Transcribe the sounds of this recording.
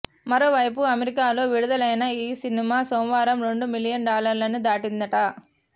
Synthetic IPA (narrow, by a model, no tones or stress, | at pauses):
mɐɾoːʋɐjpuɐmeɾikaːlo̞ːʋiɽud̪ɐlɐjnɐiːsinimaːsow̃ʋaːɾɐmɾe̞ɳɖumilijɐnɖaːlɐɾlɐnud̪aːʈind̪ɐʈɐ